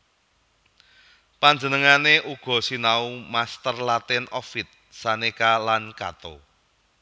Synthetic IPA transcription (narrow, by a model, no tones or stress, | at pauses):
paɲd͡ʒənəŋaneʔuɡ̥ɔ̤sinaumast̪ərlat̪ɪnɔfɪt̪̚sanekalanka̰t̪o